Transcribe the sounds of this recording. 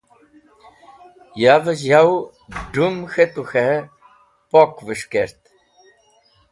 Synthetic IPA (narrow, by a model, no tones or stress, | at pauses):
javəzjaw | ɖumxet̪uxe | pɔkvəʂkeɾt̪